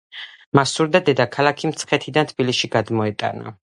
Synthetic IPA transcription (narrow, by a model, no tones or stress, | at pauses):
masuɾd̪ad̪ɛd̪akʰalˠakʰimt̪sʰχɛt̪ʰid̪ant̪ʰbiliʃiɡad̪mɔɛt̪ʼa̰na̰